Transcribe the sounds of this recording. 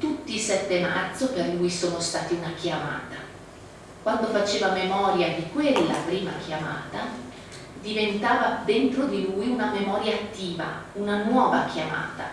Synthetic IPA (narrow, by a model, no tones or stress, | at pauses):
t̪ut̪ːiːsɛt̪ːemart̪soperlujsoːnost̪aːt̪iunakjama̰ːt̪a | kwand̪ofat͡ʃeːvamemɔːɾjad̪ikwelːapɾiːmak̟ʰjama̰ːt̪a | d̪ivent̪aːvad̪ent̪ɾod̪ilujunamemɔːɾjaːt̪ːiːva̰unanwɔːvakjama̰ːt̪a